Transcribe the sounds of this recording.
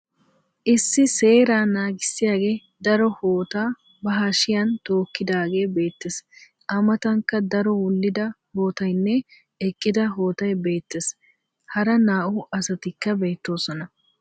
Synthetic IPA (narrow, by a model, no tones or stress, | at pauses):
ʔɪsːɪse̞ːɾaːnaːɡɪsːɪjaːɡe̞ː | d̪ɐɾɔhoːt̪aː | bɐɦɐʃɪjɐnt̪o̞ːkːɪd̪aːɡe̞ːbe̞ːt̪ːes | ʔɐmɐt̪ɐŋkːɐd̪ɐɾɔwʊlːɪd̪ɐho̞ːt̪ɐjnːɛ | ɛkʼːɪd̪ɐɦo̞ːt̪ɐjbe̞ːt̪ːes | hɐɾɐnaːʔʊɐsɐt̪ɪkːɐbe̞ːt̪ːo̞ːsɔnɐ